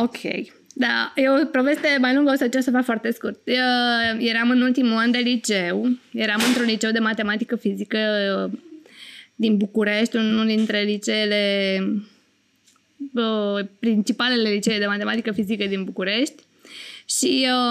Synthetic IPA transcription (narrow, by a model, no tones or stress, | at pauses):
okʲʰḛj | d̪ajeopɾove̞st̪e̞majluŋɡəosət͡ʃasəfakfoart̪e̞skurt̪̚əje̞ɾamɨnult̪imuand̪e̞lit͡ʃe̞wje̞ɾamɨnt̪ɾunlit͡ʃe̞wd̪e̞mat̪e̞mat̪i̥kəfizikə | d̪inbukuɾe̞ʃt̪ʲunuld̪int̪ɾe̞lit͡ʃe̞ːle̞ | əpɾint͡ʃipale̞le̞lit͡ʃeeld̪emat̪e̞mat̪ikəfizikəd̪inbukuɾe̞ʃt̪ʲ | ʃi